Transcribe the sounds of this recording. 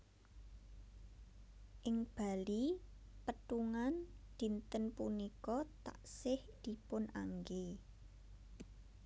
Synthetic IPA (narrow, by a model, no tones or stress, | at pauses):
ʔɪŋb̥a̤li | pət̪uŋand̪̥i̤nt̪ənpunikɔt̪a̰ʔsɪhd̪̥i̤pʊnʔaŋɡe